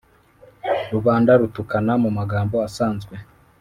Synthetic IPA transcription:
ɾuβaːndaɾutukanamumaɡaːmboasaːnzɡwe

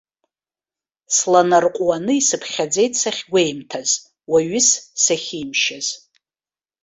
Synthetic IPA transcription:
slanarqʷʼwanɨisɨpʰχʲad͡ze̞jtʼsaχʲɡʷejmtʰaz | waɥɪssaχʲimʃaz̥

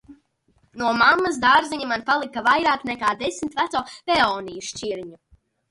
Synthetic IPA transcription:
nuɔmamːɐs̬d̪aɾziɲimanpalˠikavajɾaːknɛkaːd̪esmit̪væt̪soːveɔːnijuʃt͡ʃiɾɲu

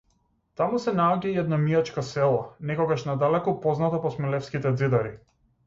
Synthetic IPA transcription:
t̪amusɛnaɔɟaiɛd̪namiat͡ʃkasɛlˠanɛkɔɡaʃnad̪alɛkɔpɔznat̪apɔsmɛlɛfskit̪ɛd̪zid̪aɾi

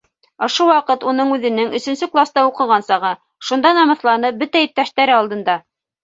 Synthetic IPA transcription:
ŏʃuwɑqɤt̪unɤɴʉðɘ̆nɘŋɵ̆sɵ̆nsɵklˠast̪ɑuqɤ̆ʁɑnsɑʁɤ | ʃund̪ɑnɑmɤ̆θlˠɑnɤp̚bɵt̪æjip̚t̪æʃt̪æɾɘɑlˠd̪ɤ̆nd̪ɑ

